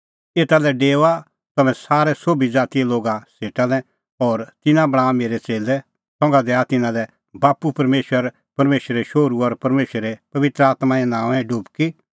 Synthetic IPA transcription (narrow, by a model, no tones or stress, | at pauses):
eːt̪alɛɖeːoa | t̪ɐmɛ̃saːɾɛsoːbid͡zaːt̪iɛloːɡaseːʈalɛ | ɔːɾt̪ɪnãbɐɽ̃aːmeːɾɛt͡seːlɛ | sɔ̃ŋɡad̪ɛat̪ɪnãlɛ | baːpupɐɾmeːʃəɾ | pɐɾmeːʃəɾɛʃoːɾuɔɾpɐɾmeːʃəɾepɐʋɪt̪ɾəaːt̪maɛ̃nãːʋɛ̃ɖʊbki